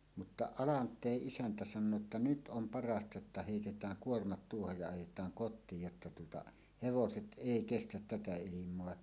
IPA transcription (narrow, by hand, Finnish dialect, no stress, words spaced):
mutːɑ ɑlɑntˑeˑʔ ʔisæntæ sɑnˑoː tːɑ nyt ʔom pɑrɑstɑ jotːɑ heˑitetˑæːŋ kuormɑt tuohoj jɑ ɑjetˑɑːŋ kotˑiːj jotːɑ tuotɑ heʋoset ʔeˑi kestæt tætæ ilimˑoɑ